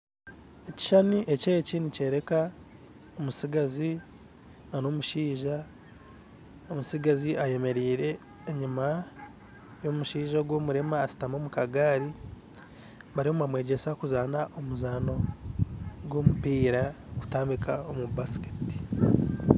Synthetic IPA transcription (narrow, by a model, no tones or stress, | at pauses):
eci̥ʃaniʔe̞ceecinice̞ːɾe̞ka | omusiɡazi | nano̞muʃiːʒa | omusiɡaziʔaje̞me̞ɾiːɾe̞ː | ɲuma | jo̞muʃiːʒaɡwo̞ːmuɾemaːsi̥tamomukaɡaːɾi | βaɾiomamwe̞ːɟe̞sakuzanaʔomuzano̞ | ɡwo̞ːmupiːɾaku̥taːmbikʰaomubasi̥keti̥